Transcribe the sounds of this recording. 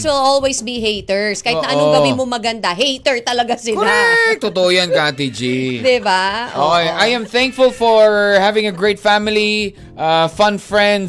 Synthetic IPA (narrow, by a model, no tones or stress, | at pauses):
twɪlolwejsbiɦejt̪ɛɹskaːhɪnɐʔɐnoɡɐbɪmomɐɡɐnd̪aɦejt̪ɛɹt̪ɐlɐɡasɪlat̪ːot̪oʔojankat̪̬id͡ʒid̪ɪbaʔʔojʔajɛ̃mθæ̃ŋkfʊlfɔɹhævɪ̃ŋɐɡɹeɪt̪fæmɪli | ʔafɐ̃nfɹɛ̃nd̪